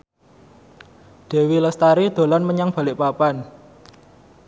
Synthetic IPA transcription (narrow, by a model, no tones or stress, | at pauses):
d̪̥e̤wiləst̪aɾid̪̥o̤lanməɲaŋb̥a̤lɪʔpapan